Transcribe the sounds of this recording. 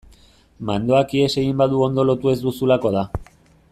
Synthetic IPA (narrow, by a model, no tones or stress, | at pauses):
mand̪o̞akie̞se̞ɣimbaðuo̞nd̪o̞lo̞t̪ue̞zd̪usulako̞ð̞a